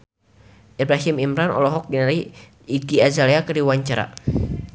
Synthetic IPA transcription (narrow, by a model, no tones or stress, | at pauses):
ʔibɾaɦimimɾanɔ̰lɔɦɔk̚dinaɾi | iɡiazalɛakədiwaɲt͡ʃaɾa̰